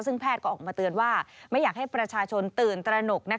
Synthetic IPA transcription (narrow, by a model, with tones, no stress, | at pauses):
sɯ˥˩ŋpʰɛː˥˩t̪̚kɔ˥˩ʔɔː˨˩maː˧t̪ɯ˧ənwaː˥˩ma˥˩jaː˨˩k̚ha˥˩jpɾa˧t͡ɕʰaː˧t͡ɕʰo˧nt̪ɯː˨˩nt̪ɾa˧no˨˩k̚na˦˥